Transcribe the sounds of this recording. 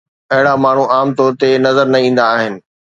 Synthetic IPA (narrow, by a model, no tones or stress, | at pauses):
ɐɦɪɽ̃amaːɳ̤uʔaːmt̪ɔːɾt̪enɐzəɾnɐĩːn̆d̪aːɦɪnɪ̆